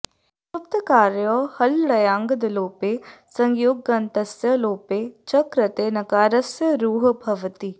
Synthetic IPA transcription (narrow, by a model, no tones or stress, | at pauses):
ʊp̚t̪əkaːɾjoːhɐlɾɐjaːŋɡɐd̪loːpeːsɐŋɡjoːɡːɐnt̪ɐsjəloːpeːt͡ʃɐkɾɐt̪eːnɐkaːɾɐsjəɾuːɦbʱɐʋt̪i